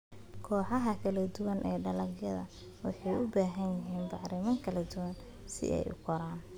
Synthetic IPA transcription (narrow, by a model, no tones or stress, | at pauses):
kʰɔːħɑɦɐkʰɐlɐd̪ʊwɐnʔɛːɖɐlɐɡjɐðɐ̰ | wɑħɑjʔʊbaːɦɐnjɪɦiːnbɑʕɾɪmɐŋkʰɐlɐd̪ʊwɐn | sɪ̰ʔɛ̰jʔʊ̰kʰɔɾaːn